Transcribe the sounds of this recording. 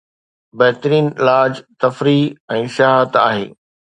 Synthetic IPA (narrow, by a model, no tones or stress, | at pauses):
bɐɦɪt̪əɾiːnɪlaːd͡ʑt̪ɐfɾiɛ̃ːʃɐaːɦət̪a̰ːɦḛː